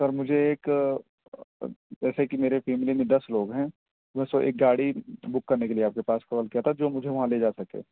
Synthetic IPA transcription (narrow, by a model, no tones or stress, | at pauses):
sɐɾmʊd͡ʒʱeeːk | d͡ʒɛːsekimeːɾefʰɛːmɪlimẽd̪ɐsloːɡɦɛ̃ː | ẽsoʔḛːk̚ɡaːɽibʊkːɐɾnekelieaːp̚kepaːskɐʋəlkijat̪ʰad͡ʒoːmʊd͡ʒʱeʋɐɦãleːd͡ʒaːsɐkḛː